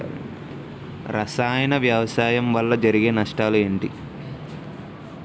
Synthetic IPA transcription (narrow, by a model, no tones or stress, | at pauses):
ɾʔɐsaːjɐnɐʋjaːʋɐsaːjɐmʋɐlːɐd͡ʒɐɾiɡe̞ːnɐʂʈaːlue̞ːɳʈḭ